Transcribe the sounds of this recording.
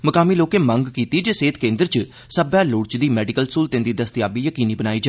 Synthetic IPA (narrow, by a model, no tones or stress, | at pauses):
məkaːmiːloːkẽːməŋɡkiːt̪iːd͡ʒeːseːt̪kẽːnd̪əɾt͡ʃ | səbaːlʊːɽt͡ʃd̪iːmɛːɖɪkəlskuːlt̪ẽːnd̪iːd̪əst̪ɪjaːbiːjəkiːniːbənaːiːd͡ʒaː